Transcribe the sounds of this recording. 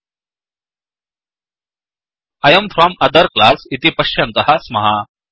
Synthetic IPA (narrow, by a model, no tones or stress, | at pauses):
ɐjɐmfʰɾamɐd̪əɾklasit̪ipɐɕjɐnt̪ɐhasmɐɦa